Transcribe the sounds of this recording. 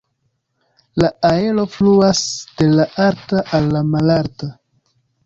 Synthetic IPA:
laae̞lo̞fluasd̥e̞laʔaɾtaʔalːamalaɾta

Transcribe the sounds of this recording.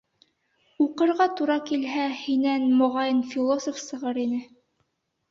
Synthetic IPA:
uqɤ̆ɾʁɑt̪uɾɑkilɦæhinænmŏʁɑjɤnfʲilˠosofsɤ̆ʁɤɾinɘ

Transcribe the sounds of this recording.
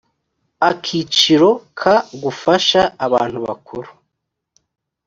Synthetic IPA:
akʰit͡ʃiɾo̞kʰaɡufaʃaːβa̰ːn̥huβa̰kuɾu

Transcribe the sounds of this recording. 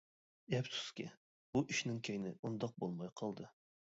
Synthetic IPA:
ɛpsu̥skʲɪ̰ | buʔiʃnɪŋkʲʰejnɪund̪ɑq̚bolˠmɑjqʰɑlˠd̪ɨ

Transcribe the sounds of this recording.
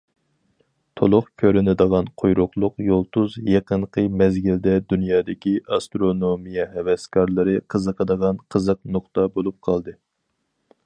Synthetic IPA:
t̪ʰolˠʊχkʲʰøɾɪnɪd̪əʁɑnqʰojɾʊqlˠʊqjolˠt̪uzjeqəɴqʰəmɛzɡʲild̪ɛd̪ynjɑːd̪ɪkʲiɑst̪ɾonomijɛɦɛwɛskʰɑɾlˠɨɾɨqʰəzəqəd̪əʁɑnqʰəzəq̚nʊχt̪ɑbolˠup̚qʰɑlˠd̪ɨ

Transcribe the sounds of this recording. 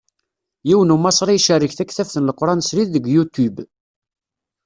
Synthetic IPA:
jiwənumɑsˤɾˤiʃærːəçθækːθæfθənləqːɾˤɑnsɾiðːəɡʷjut̪ub

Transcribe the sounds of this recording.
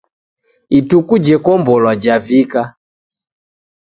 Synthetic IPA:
itukud͡ʒɛkɔmbɔlwad͡ʒavika

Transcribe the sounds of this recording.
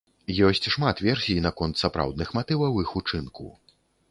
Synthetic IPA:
jɔsʲt͡sʲʂmat̪vʲɛrsʲijnakɔnt̪sapɾa̰wd̪nɨxmat̪ɨvɐwixut͡ʂɨnkṵ

